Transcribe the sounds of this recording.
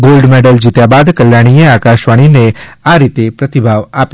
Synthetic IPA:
ɡolɖmeɖəld͡ʒit̪jabad̪kəljaɽ̃ieakaʃʋaɽ̃ineaɾit̪epɾət̪ibʱaʋapj

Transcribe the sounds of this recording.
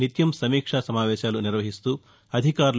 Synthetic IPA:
nit̪jɐmsɐmiːkʂasɐmaːʋɛːʃaːluniɾʋɐɦist̪uː | ɐd̪ʱikaːɾ

